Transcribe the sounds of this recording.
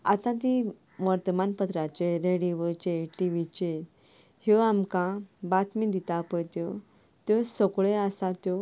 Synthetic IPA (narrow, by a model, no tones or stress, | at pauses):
at̪ãt̪̬i | mɔɾt̪əmanpət̪ɾat͡ɕeɾeɽiʋət͡ɕeʈiʋit͡ɕe | hjɔamkãbat̪mid̪it̪apəjt̪jɔ | t̪jɔsɔkɭeasat̪jɔ